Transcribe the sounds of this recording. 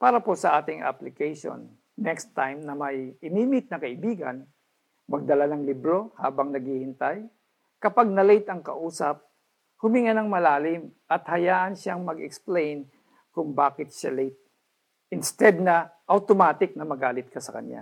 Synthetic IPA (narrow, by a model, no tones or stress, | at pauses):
paːɾɐposɐʔaːt̪ɪŋʔa̰plɪkɛjʃo̰nː | ɛkst̪ːajmnɐmɐjʔɪmiːmɪt̪̚nɐkɐʔɪbiːɡɐ̰n | mɐɡ̚d̪ɐlanɐŋlibɾo̞ha̰ːbɐŋnɐɡihɪnt̪aj | kɐpaɡ̚nɐlejt̪ɐŋkɐ̰ʔuːsɐp̚ | hʊmɪŋɐnɐŋmɐlaːlɪmʔɐt̪hɐjaːʔɐnʃaŋmɐɡɛ̰ksplejn | kʊŋbaːkɪt̪̚ʃalejt̪̚ | ʔɪnst̪ɛd̪̚nɐʔɐwt̪omaːt̪ɪk̚nɐmɐɡaːlɪt̪̚kɐsɐkɐ̰nja̰